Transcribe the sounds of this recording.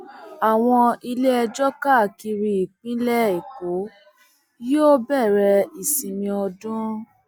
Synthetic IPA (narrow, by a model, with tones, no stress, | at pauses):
a˨w̃ɔ̃˧i˧le˦ɛ˧d͡ʒɔ˦ka˦˨ki˧ɾi˧i˨k͡pĩ˦lɛ˦e˨ko˨˦ | joː˦˨bɛ˦˨ɾɛ˧i˨sĩ˨mĩ˧ɔ˧dũ˦